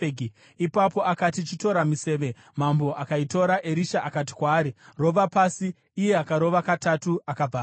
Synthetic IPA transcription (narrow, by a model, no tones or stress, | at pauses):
ɡi | ipapo̞ʔakatit͡ʃito̞ɾamise̞ːʋe̞ | mambo̞ʔakaito̞ɾaʔe̞ɾiʃaʔakati̥kwaːɾiro̞ʋapasiː | je̞akaɾo̞ʋakatatuakab͡vʱaː